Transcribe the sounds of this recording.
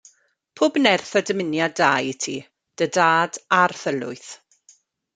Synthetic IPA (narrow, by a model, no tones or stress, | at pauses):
pʰʊːbnɛrθɔdəmɪnjadaːjɪtʰi | d̥ədaːdarθəlʊ̰ɨθ